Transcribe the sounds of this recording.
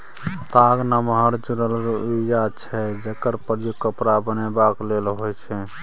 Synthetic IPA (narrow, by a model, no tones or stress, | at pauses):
t̪aɡnəmɦəɾd͡ʒuɾəlɾijat͡ʃʰɛd͡ʒekəɾpəɾjokːəpɾabənebaklelɦojt͡ʃʰɛ